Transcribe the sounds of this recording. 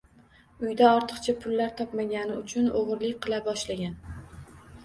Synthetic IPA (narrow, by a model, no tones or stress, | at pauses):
ʊjd̪aɒɾt̪ʰɨ̥qt͡ʃʰapʰʊlːaɾt̪ʰɒpmaɡʲanɪʊt͡ʃʰʊnoʁɨɾlɪkʲqɨlˠabɒʃlaɡʲan